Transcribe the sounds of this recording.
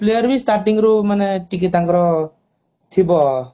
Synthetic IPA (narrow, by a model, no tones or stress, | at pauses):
plejɔɾbistaɾʈiŋɾumaneʈik̬itaŋɡɾɔ | tʰibɔ